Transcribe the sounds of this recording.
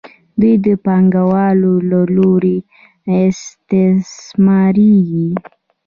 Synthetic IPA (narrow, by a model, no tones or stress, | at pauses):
d̪ujd̪əpɑŋɡawɑlolaloɾe | ɪst̪ɪsmɑɾiɡi